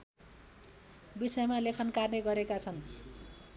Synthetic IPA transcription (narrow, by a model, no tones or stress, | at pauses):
bisʌjmalekʰʌnkarneɡʌɾekat͡sʰʌn